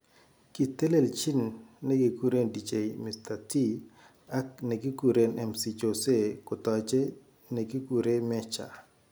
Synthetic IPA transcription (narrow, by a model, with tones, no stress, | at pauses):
ki˨t̪e˦le˨lt͡ʃi˦nːe˦ɡi˨ku˦ɾe˦ndi˨d͡ʒe˨jmɪ˨sta˨ti˦ | a˦k̚ne˨ɡi˦ku˨ɾe˦nɛ˨msi˨t͡ʃo˨se˦kʊ˨t̪ɔ˨t͡ʃe˦ | ne˨ɡi˦ku˨ɾe˦mɛ˦t͡ʃa̰˨